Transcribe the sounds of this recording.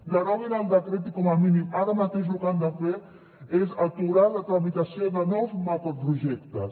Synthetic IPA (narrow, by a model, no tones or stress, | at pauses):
d̪aɾɔβinald̪akɾet̪̬ikɔmaminimaɾamat̪eʃ̬lukand̪afe | ezat̪uɾald̪at̪ɾamit̪asjod̪anɔsmapopɾuʒɛk̚t̪a